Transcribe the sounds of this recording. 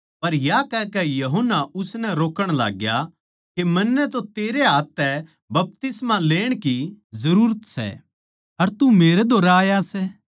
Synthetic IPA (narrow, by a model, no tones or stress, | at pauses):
pɐɾjakɛkɛjɐɦonːaʔʊsnɛɾoːkəɽ̃la̰ːɡja | kemɐnːɛt̪ot̪eːɾeɦaːt̪ːɛ | bɐp̚t̪ɪsmaleːɽ̃kizɐɾuːɾət̪sɛ̰ | ɐɾt̪umeːɾɛd̪oːɾaːjasɛ